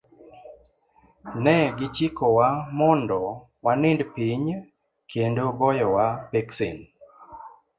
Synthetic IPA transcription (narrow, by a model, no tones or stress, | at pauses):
nɛɡɪt͡ʃikowamɔndɔ | wanɪndpiɲ | kʰendoɡɔjɔwapɛksin